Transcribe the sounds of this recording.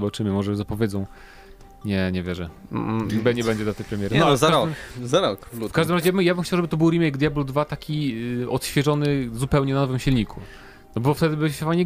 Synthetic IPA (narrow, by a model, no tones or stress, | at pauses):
ɔbat͡ʂɘmɘmɔʐɛzapɔvʲjɛdzɔ̃w̃ | ɲɛɲɛvʲjɛʐɛ | bɛɲɛbɛɲd͡ʑɛd̪lat̪ɛjpɾɛmʲjɛɾnɔazaaɾɔmzaɾɔklfkaʐd̪ɘmɾazɛjabɘmjabɘmxt͡ɕawʐɛbɘt̪ɔbɘwɾimɛjɡd̪jablud̪vat̪akʲiɔt̪ɕfʲjɛʐɔnɘzupɛwɲɛnanɔvɘmɕilɲikʰu | nɔbɔɔft̪ɛd̪ɘbɘavaɲɛ